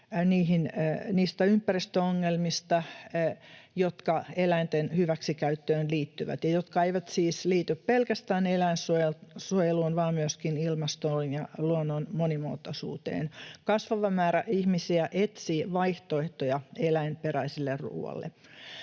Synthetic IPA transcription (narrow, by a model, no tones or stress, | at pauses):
niːɦinniːst̪æympːærist̪øoŋːelmist̪ɑ | jot̪kɑelæint̪enhyʋæksikæyt̪ːøːnliːt̪ːyʋæ̰t̪jɑjot̪kɑeiʋæt̪siːsliːt̪yppelkæst̪æːnelæinsuojelsuojeluːnʋɑːmmyøskinilmɑst̪olinjɑluonːonmonimo̰ːt̪ːosṵːt̪ḛːnkɑsʋɑʋɑmæːɾæʔihmisiæʔet̪siːʋɑiht̪oeht̪ojɑelæimperæisilːerrṵːɑ̰lːḛ